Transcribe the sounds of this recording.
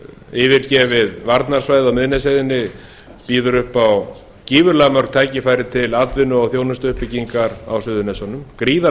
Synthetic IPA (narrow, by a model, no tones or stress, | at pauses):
ɪvɪɾcɛːvɪðvaɾt̪naɾ̥svajðawmɪðnɛsajðɪnːɪ | piːðʏɾʏhpaw | ciːvʏɾlaɣmœɾk̚t̪ʰaːjcɪfaːjɾɪt̪ʰɪlat̪vɪnʏɔɣθjownʏst̪ʏhpɪciŋkaɾa̰wsʏðʏnejsɔnʏmkɾiːða